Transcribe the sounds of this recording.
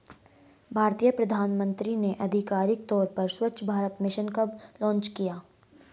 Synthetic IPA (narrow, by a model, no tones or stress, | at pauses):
bʱaːɾt̪ijəpɾɐd̪ʱaːnmə̃nt̪ɾineʔɐd̪ʱɪkaːɾɪk̚t̪ɔːɾpɐɾswɐːʃʰbʱaːɾət̪mɪʃənkəblɔ̃ːnt͡ʃkijaː